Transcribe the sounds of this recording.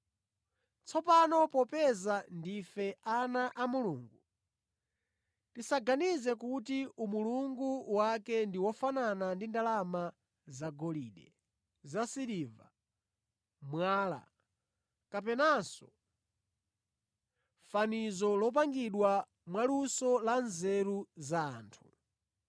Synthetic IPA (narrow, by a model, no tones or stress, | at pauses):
t͡sʰɔpanɔpɔpɛzandifɛanaʔamuluːŋɡu | tisaɡanizɛkutiumuluŋɡuwakɛndiwɔfananandindalama | zaɡɔliːɗɛ | zasiɾiva̰ | mwaːla̰ | kap̬ɛnasɔ | fanizɔlɔp̬aŋɡiɗwa | mwalusɔlanzɛɾuzaːntʰu̥